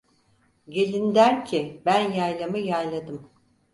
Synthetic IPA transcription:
ɟe̞lʲind̪æɾcʰɪbænjajlˠamɯjajlˠad̪ɯm

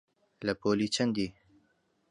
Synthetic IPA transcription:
lapolit͡ʃənd̪i

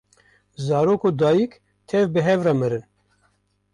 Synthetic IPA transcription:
zɑːɾoːkoːd̪ɑːjik | t̪ʰɛvbɨɦɛvrɑːmɨɾɨn

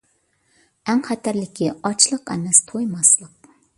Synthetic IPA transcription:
æŋχæt̪ʰæɾlɪkʲʰiɑt͡ʃlˠəqɛ̰nɛst̪ʰojmɑslˠəq̚

